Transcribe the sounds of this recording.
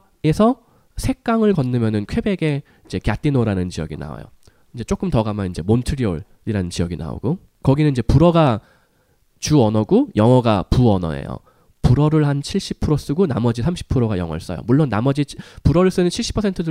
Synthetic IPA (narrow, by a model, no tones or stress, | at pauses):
e̞sʰʌ | sʰe̞k͈aŋɯɭkʌnːɯmjʌnɯnkʰwe̞be̞ɡe̞ | id͡ʑe̞kjat͈inoɾanɯnt͡ɕijʌ̰ɡina̰o̰jo̰ | ind͡ʑe̞t͡ɕ͈ok͈ɯmtʌɡamanind͡ʑe̞montʰɯɾio̰ɭ | iɾanɯnt͡ɕiʌɡina̰o̰ɡo | kʌɡinɯnid͡ʑe̞puɾʌɡa | t͡ɕuʌnʌɡojʌŋʌɡapuʌnʌ̰ḛjo̰ | puɾʌɾɯɭhant͡ɕʰiɭɕ͈ipʰɯɾos͈ɯɡona̰mʌd͡ʑisʰamɕʰi̥pʰɯɾoɡajʌ̰ŋʌɭs͈ʌ̰jo̰muɭːonːa̰mʌd͡ʑipuɾʌɾɯɭs͈ɯnɯnt͡ɕʰiɭɕ͈i̥pʰʌsʰe̞ntʰɯdɯ